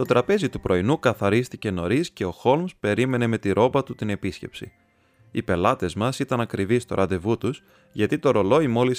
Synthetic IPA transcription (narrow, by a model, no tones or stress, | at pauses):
t̪o̞t̪ɾɐpe̞zit̪upɾʔo̞inukɐθɐɾist̪ice̞no̞ɾisce̞o̞xo̞lmspe̞ɾime̞ne̞me̞t̪iɾʔo̞bɐt̪ut̪ine̞pisce̞psḭ | ipe̞lɐt̪e̞zmɐsit̪ɐnɐkɾivist̪o̞ɾʔɐnd̪e̞vut̪us | ʝɐt̪it̪o̞ɾo̞lo̞imo̞lis